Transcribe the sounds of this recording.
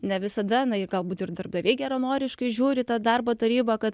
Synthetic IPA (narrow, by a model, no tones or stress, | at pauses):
nʲɛʋʲɪsɐd̪ɐnɐɪrɡɐlˠbuːt̪ɪrd̪ɐrb̚d̪ɐʋʲeːɪɡʲæɾɐnoːɾʲɪʃkɐɪʒʲuːɾʲɪt̪ɑːd̪ɑrboːt̪ɐɾʲiːbɐkɐt̪